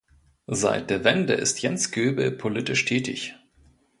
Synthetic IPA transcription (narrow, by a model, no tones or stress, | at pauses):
za̰ɪt̚d̥eːɐvɛndə̰ʔɪ̰stjɛnsɡ̥øːbl̩pʰolɪtɪʃtʰɛːtɪ̰ç